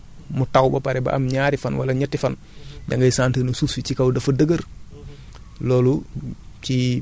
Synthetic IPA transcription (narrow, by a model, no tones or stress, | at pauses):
mutawbɐpɐɾɛbɐ̰ʔɐ̰mɲaːɾifɐnwɐ̰lɐɲɐtːifɐn | daŋɡɐjsaːntənusufit͡ʃikawdɐfɐdəɡəɾ | lɔːlu | ci